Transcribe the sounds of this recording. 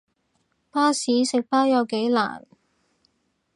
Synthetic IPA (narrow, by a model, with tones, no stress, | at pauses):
paː˥siː˨˥sɪ˨k̚paː˥jɐ˨˧wke˨˥jla̰ː˨˩n